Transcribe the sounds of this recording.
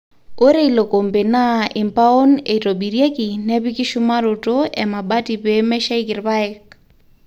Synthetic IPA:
o˦ɾe˦i˨lo˨ko˨mbe˨na˦ɪ˨mpa˦o˦ne˨to˨bi˨ɾje˦ki˨nɛ˦pi˦ki˦ʃu˦ma˦ɾo˨to˦ɛ˨ma˨ba˦ti˨pe˦mɛ˦ʃa˦i˦kɪ˨ɾba˦ɛ˨k̚

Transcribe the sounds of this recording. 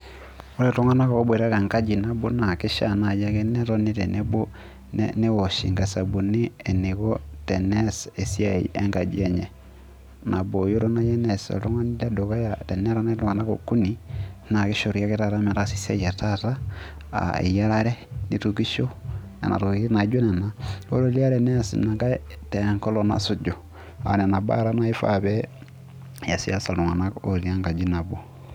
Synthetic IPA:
o˦ɾe˨to˦ŋa˦na˦koo˦bwe˨ɾa˦ɾe˨ŋɡa˦d͡ʒi˨nabu˦na˨ke˦ʃa̰na˨jakeneɾoni˦ɾenebu˦ | nnewoʃḭ˨ŋɡa˨sa˨bu˨niː˦neɣotenesesjaḭʔeŋɡa˨d͡ʒieɲe | na˨bojo˦ɾo˦na˦je˦neso̰to˦ŋa˦niɾedo˨ɣa˦jate˨ne˦ɾaneto˦ŋa˨na˦koku˦nina˨ki˦ʃo˨ɾi˨ja˦ki˦ta˨ta˦mɛ˨ɾa˦si̥˦sɛ̰˦ja˨ta˦ta˦ | a̰ḭ˨ja˦ɾa˦ɾɛ˦ni˨tu˨ki˦ʃo˦ | a̰˨na̰˨tu˨ki˦i˦na˨˦ɟo˦nɛ˨na˦o˦ɾo˦li˦a˦ɾɛ˨nɛ˦ja˨sḭ˨na˨ŋɡa˦tɛ˨ŋkɔ˦lo˨na̰˦su˨d͡ʒo˨ | a̰˨nɛ˨na˨ba̰˦ɾa˦na˦i˦fa̰˨βɛ˦ | ja˨si˨ja˦sa˨lu˨ŋa˨na˦ko̰˨li˦a˦ŋɡa˨d͡ʒi˦na˨bo˨

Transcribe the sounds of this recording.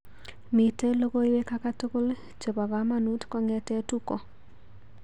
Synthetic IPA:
mi˨te˦lo˦ɡo˦i˦we˦ka˦ka˦tʊ˦ko˦l | t͡ʃo˨ba˨ɡa˦ma˦nu˦tkɔ˦ŋɛ˦tɛ˦tu˦ko˨

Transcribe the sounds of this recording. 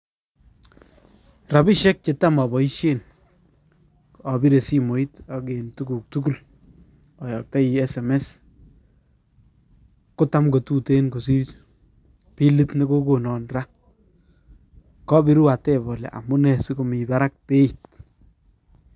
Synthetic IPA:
ra˨bi˦ʃɛ˦k̚t͡ʃe˨ta˦mɔ˨bɔ˨i˦ʃe˦n | ɔ˨bi˦ɾe˨si˦mo˨i˦take˨ntu˦ku˨k̚tuk̬u˦˨l | ɔ˨jɔ˨k̚ta˦iɛ˦sɛ˨mɛ˦s | kʊ˦ta˦mko˨tu˦te˦nko˨si˦ | pi˦li˦tne˦ɡo˦ko˨nɔ˨nra˦ | kɔ˦bi˦ɾwa˨tɛ˦bɔ˨lɛ̰˨ʔa̰˨mʊ˦nɛ˨si˦ko˨mi˨ba˦ɾa˦k̚pe˦i˨t̚

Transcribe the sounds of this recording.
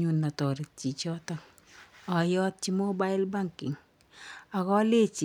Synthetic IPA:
ɲu˨nːa˨tɔ˨ɾi˨t̚t͡ʃi˨t͡ʃɔ˦tak | a˨jɔ˦t̚t͡ʃi˦mo˦ba˦ɪ˦lba˦ŋkɪ̰˨ŋ | a˨kɔ˦le˦t͡ʃi˨

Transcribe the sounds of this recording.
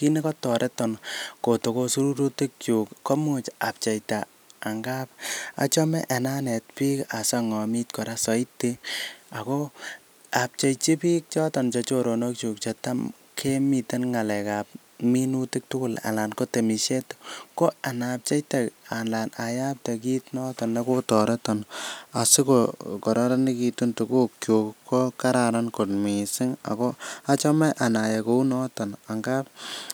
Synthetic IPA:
ki˦ne˦kɔ˦tɔ˨ɾʔe˦tɔnko˨to˨ko˧su˦ɾu˦ɾu˦ti˦k̚t͡ʃu˨kːo˦mu˦t͡ʃap̚t͡ʃe˨jtaː˨ | ŋɡa˦p̚a̰˨t͡ʃɔmɛ˦ʔe˨na˦ne˨t̚pi˦ka˨sa˦ŋɔ˨mitkɔ˨ɾa˦sɔ˨itːi˦a˨ko˦ | a˨p̚t͡ʃe˨jt͡ʃi˦piː˦k̚t͡ʃɔ˦tɔ˨nt͡ʃɔ˧t͡ʃo˦ɾo˨no˦k̚t͡ʃu˨k̚t͡ʃɔta˦m | kʰe˦mi˨te˦nŋa˨lɛ˨ka˨p̚ | minuti˦k̚tʊku˦la̰˨la˨nko˦te˨mi˨ʃe˦tko˦a˨nap̚t͡ʃa˦jtɛanla˨naja˦p̚tek̬i˦tnɔ˦tɔnːekotɔɾɔ˦tɔna˨si˦kokɔ˨ɾɔɾa˦ni˦ki˨tu˦ntu˨ku˦kjokːo˦ka˦ɾaɾanko˨tmisi˦ŋa̰˨kɔ˦a˦t͡ʃɔmɛʔa˨na˨jekou˦nɔtɔ˨na˨ŋɡap̚

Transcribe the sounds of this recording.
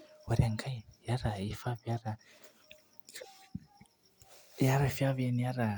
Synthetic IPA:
wa˨ɾe˨ŋkʰa˦˨ja˦ɾa˨i˦fa˦vja˦ɾa˨ | ja˦ɾa˨fa˦vɛ˦ni˦ja˦ɾa˨

